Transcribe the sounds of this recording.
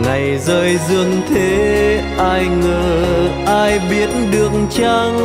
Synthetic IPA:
ŋa˨˩jzəː˧jzɨ˧əŋt̪ʰe˨˦ | ʔaː˧jŋəː˨˩ʔaː˧jɓi˨˦ətɗɨ˨˩əkŋt͡ɕaː˧ŋ

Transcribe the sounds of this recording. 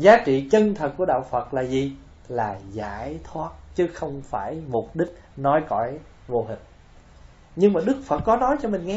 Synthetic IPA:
zaː˨˦t͡ɕḭ˧˨t͡ɕə˧nt̪ʰə˨˩t̚kːu˧˩əɗaː˧˨wfə˨˩t̚laː˨˩zi˨˩ | laː˨˩za̰ː˧˥jt̪ʰwaː˦˥t̚t͡ɕɨ˨˦xə˧wŋ͡mfaː˧˩jmʊ˨˩p̚ɗï˦˥k̟̚nɔ˨˦jkɔ̰˧˩j | vo˧ɦï˨˩ŋ̟̚ | ɲɨ˧ŋmaː˨˩ɗɨ˦˥k̚fə˨˩t̚kːɔ˨˦nɔ˨˦jt͡ɕɔ˧mï˨˩ŋ̟ŋɛ˧˦

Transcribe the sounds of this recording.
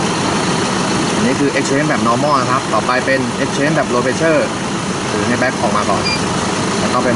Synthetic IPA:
a˨˧˩nːiː˦˥kʰɯː˧ʔe˦˥k̚t͡ɕʰeː˦˥nbɛː˨˩p̚nɔː˧mɔː˥˩na˧kʰa˦˥p̚t̪ɔː˨˩pa˧jpe˧nʔeː˦˥k̚t͡ɕʰeː˦˥nbɛː˨˩p̚loː˧beː˧˥t͡ɕʰɤː˥˩ | ɾɯː˩˦na˧jbɛː˦˥kʰːɔː˨˦ŋmaː˧kɔ̰ː˨˩n | tɛː˨˩t̪ɔ˥˩ŋpe˧

